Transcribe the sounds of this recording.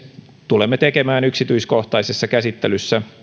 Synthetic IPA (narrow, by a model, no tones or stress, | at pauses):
t̪ulemːet̪ekemæːnyksit̪yiskoht̪ɑisesːɑkæsit̪ːelysːæ